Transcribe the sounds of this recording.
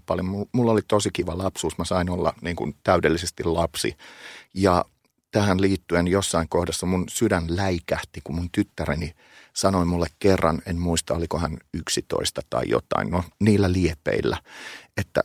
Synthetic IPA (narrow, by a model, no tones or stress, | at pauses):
pɑljommumulːolit̪osikiʋælɑpsuːsmæsɑinolːɑ̰niːŋkṵnt̪æydelːisest̪illɑpsḭjɑ | t̪æhænliːt̪ːyenjosːɑiŋkohdɑsːɑmunsyɾænlæikæht̪ikummunt̪yt̪ːæɾeni | sɑnoimulːekkerːɑnenmuist̪ɑolikohænyksit̪o̰ist̪ɑt̪ɑ̰ḭjo̰t̪ɑ̰innoniːlːæliepḛilːæ̰et̪ːæ̰